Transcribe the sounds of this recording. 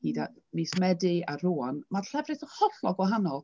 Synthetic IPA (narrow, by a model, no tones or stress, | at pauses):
hiːdanismɛdɪaruːɔnmarɬɛvrɨθəhɔɬɔɡwɔɦanɔlˠ